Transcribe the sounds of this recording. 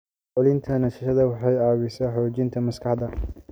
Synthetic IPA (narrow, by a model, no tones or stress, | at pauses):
ʕʊlɪnt̪ʰɐnɐʃɪʃɐðɐwɑħɑjɑːwɪsɛħɔːt͡ʃɪnt̪ʰɐmɐskʰɑħd̪ɐ